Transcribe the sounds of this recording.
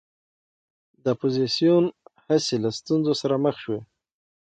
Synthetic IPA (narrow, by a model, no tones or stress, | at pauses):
d̪əapozisijunhaselast̪unzosaɾaməxʃwe